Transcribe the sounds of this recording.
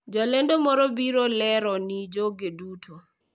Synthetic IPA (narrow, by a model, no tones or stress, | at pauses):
d͡ʒɔlɛndomɔɾɔbiɾolɛɾɔnid͡ʒoɡedutʰo